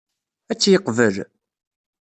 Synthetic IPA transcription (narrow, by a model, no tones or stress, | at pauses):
æt͡sːjəqvəl